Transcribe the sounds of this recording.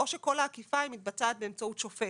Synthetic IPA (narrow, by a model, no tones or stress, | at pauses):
o̞ʃeko̞laːkifaimit̪̚bataːt̪̚beeːmt͡sautʃofe